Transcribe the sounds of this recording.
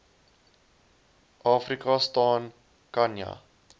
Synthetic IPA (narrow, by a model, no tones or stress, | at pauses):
ʔɑːfrikɑstɑːn | kɐnja̰